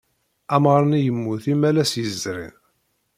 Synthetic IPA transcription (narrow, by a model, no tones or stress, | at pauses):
æmʁɾˤɑnijəmːuθimælæsjəzɾḭn